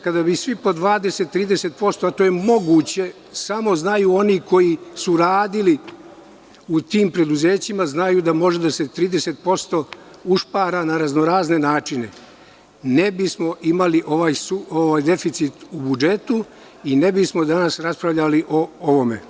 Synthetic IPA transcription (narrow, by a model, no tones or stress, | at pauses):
kad̪abisʋipo̞d̪ʋaːd̪e̞se̞t̪ːɾiːd̪e̞se̞t̪̚po̞st̪oat̪o̞ːje̞mo̞ɡuːt͡ɕe̞ | samo̞znajuːo̞niko̞jisuɾaːd̪ili | ut̪iːmpɾe̞d̪uze̞ːt͡ɕimaznajud̪amo̞ʒed̪aset̪ɾiːd̪e̞se̞t̪̚po̞st̪o̞ | uʃpaːɾanaɾaznoɾaːzne̞naːt͡ʃine̞ | ne̞bismo̞ʔimaliʔo̞ʋaːjsuoʋaːjd̪e̞fit̪sit̪ubud͡ʒe̞t̪u | ine̞bismo̞d̪anasɾaspɾaʋʎaliʔo̞oʋo̞me̞̰